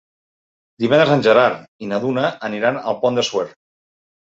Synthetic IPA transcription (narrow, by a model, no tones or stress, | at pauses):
d̪iβɛnd̪ɾəzanʲʒəɾaɾinaðunaʔːniɾanəlˠpɔnd̪əsweɾ